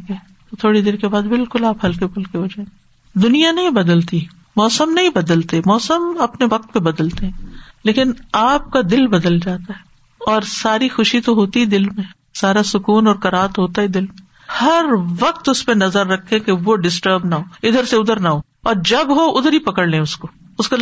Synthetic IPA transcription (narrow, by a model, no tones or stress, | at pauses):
ke | t̪ot̪ʰoːɽid̪eːɾkebaːd̪bɪlkʊlaːpɦɐlkebʰʊlkeɦod͡ʒaːẽːɡe | d̪ʊnijanɐɦĩbɐd̪əlt̪i | mɔːsəmnɐɦĩbɐd̪əlt̪emɔːsəmɐpneʋɐq̚t̪̚pebɐd̪əlt̪eɦɛ̃ːleːkɪnaːp̚kad̪ɪlbɐd̪əld͡ʒaːt̪aɦɛ | ɔːɾsaːɾixʊʃit̪oɦoːt̪iɦɛd̪ɪlmẽ | saːɾasʊkuːnɔːɾkɐɾaːət̪ɦoːt̪aɦɛd̪ɪlmẽ | hɐɾʋɐq̚t̪ʊspẽnɐzəɾːɐkʰːẽkeʋoɖɪsʈəɾbnaɦoːɪd̪əɾseʊd̪əɾnaɦoː | ɔːɾd͡ʒɐbɦoʔʊd̪ʱəɾipɐkəɽlẽʊskoʊsko